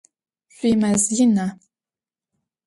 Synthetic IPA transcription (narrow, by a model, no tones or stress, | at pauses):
ɕʷiːmɐzjɪna